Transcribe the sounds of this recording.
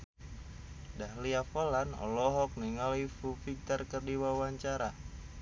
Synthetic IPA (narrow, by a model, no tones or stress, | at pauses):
dahliafɔlanɔ̰lɔɦɔk̚niŋalifufik̚t̪ɔrkərdiwawaɲt͡ʃaɾa